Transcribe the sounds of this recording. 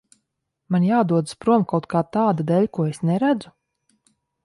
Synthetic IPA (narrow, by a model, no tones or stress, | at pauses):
manjaːd̪uɔd̪spɾuɔmkawt̪̚kʰaːt̪aːd̪ad̪ɛlʲkuɔesnɛɾæd̪zu